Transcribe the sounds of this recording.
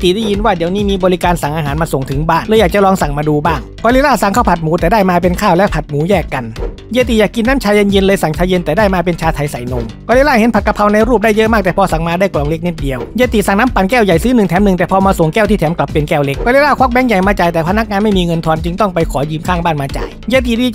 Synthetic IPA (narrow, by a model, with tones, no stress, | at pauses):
t̪i˨˩daː˥˩ji˧nwaː˥˩diː˨˩˦əwniː˥˩miː˧bɔː˧li˦˥kaː˧nsa˨˩ŋʔaː˧ɦaː˩˦nmaː˧so˨˩ŋt̪ʰɯ˩˦ŋbaː˥˩nlːjaː˨˩k̚t͡ɕa˨lɔː˧ŋsa˨˩ŋmaː˧duː˧baː˥˩ŋkɔː˧li˧˥laː˥˩sa˨˩ŋkʰaː˥˩wpʰa˨˩t̪̚muː˨˦t̪ɛː˨˩daː˥˩jmaː˧p̬e˧nkʰaː˥˩wlɛ˦˥pʰa˨˩t̪̚muː˨˦˥jɛː˥˩kːa˧n | jeː˧t̪̬i˨˩jaː˨˩kːi˧nːaː˦˥mt͡ɕʰaː˧je˧nje˧nlɤː˧jsa˨˩ŋt͡ɕʰaː˧je˧nt̪ɛː˨˩daː˥˩jmaː˧pe˧nt͡ɕʰaː˧t̪ʰa˧jsa˨˩˦jno˧mkɔː˧le˦˥laː˥˩he˨˦npʰa˨t̪̚ka˧pʰa˧wna˧jɾuː˥˩p̚da˥˩jːɤ˦˥ʔmaː˥˩k̚t̪ɛː˨˩pʰɔː˧sa˨˩ŋmaː˧daː˥˩jklɔː˨˩ŋle˦˥k̚ni˦˩t̪̚di˧əwjeː˧t̪i˨˩sa˨˩ŋnaː˦˥mpa˨˩nkɛː˥˩wja˨˩jsɯː˦˥nɯ˨˩ŋt̪ʰɛː˩˦mnɯ˨˩ŋt̪ɛː˨˩pʰɔː˧maː˧so˨˩ŋkɛː˥˩wt̪iː˥˩t̪ʰɛ˩˦mkla˨˩pːe˧nkɛː˥˩wle˦˥k̚ːɔː˧le˦˥laː˥˩kʰwa˦˥k̚bɛː˦˥ŋja˨˩jmaː˧t͡ɕa˨˩jt̪ɛː˨˩pʰa˧na˦˥k̚ŋaː˧nma˥˩jmiː˧ŋɤ˧nt̪ʰɔː˧nt͡ɕɯ˧ŋt̪ɔ˥˩ŋpa˧jkʰɔː˩˦jɯː˧mkʰaː˥˩ŋbaː˥˩nmaː˧t͡ɕa̰ː˨˩jjeː˧t̪̬i˨˩diː˧